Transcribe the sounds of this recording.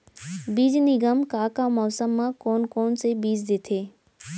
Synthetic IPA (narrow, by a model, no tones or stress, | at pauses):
biːd͡ʒnɪɡəmkaːkamɔːsəmːãkoːnkoːnsebiːd͡ʒd̪eːt̪ʰeː